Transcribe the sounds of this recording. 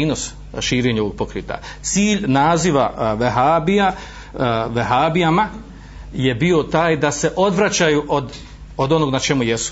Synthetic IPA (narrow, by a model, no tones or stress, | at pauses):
iːno̞s | ʃiːɾeɲo̞ʋo̞ɡ̚pokɾiːt̪a̰ | t̪siːʎnaːziʋaʋeɦaːbija | ʋeɦaːbiama | je̞bio̞t̪aːjd̪ase̞ʔo̞d̪ʋɾat͡ɕajuʔod̪ | od̪o̞no̞ɡnat͡ʃe̞mujesu̥